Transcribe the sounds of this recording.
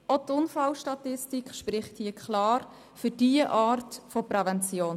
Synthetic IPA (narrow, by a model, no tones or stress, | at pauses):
otʊnfɑlʃtɑtɪstikχʃpɾɪχthiːəkʰlɑːɾ | fyɾd̥iəʔɑːɾtfɔpɾɛvɛnt͡sjoːn